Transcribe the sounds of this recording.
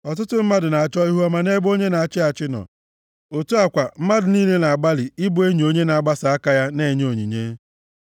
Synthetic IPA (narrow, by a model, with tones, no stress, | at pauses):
ɔ˨t̬ʊ˦tʊ˦m̩˦ma˦dʊ˨na˨a˨t͡ʃɔ˦i˦ɦu˦a˦ma˨ne˦ɡ͡bo˦ɲe˦na˨a˨t͡ʃɪ˦a˨t͡ʃɪ˦nɔ̰˨ | o˨tu˦a˨kʷa˨m̩˦ma˦dʊ˨niː˦le˦na˨a˨ɡ͡ba˦lɪ˨ɪ˦bʊ˨e˦ɲi˨o˦ɲe˦na˨a˨ɡ͡ba˦sa˨a˦ka˦ja˦ne˦˨ɲe˦o˨ɲḭ˨ɲeː˦